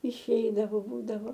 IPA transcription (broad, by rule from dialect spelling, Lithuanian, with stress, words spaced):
ɪʃʲˈɛɪdɐʋɐʊ ˈbuːdɐʋoː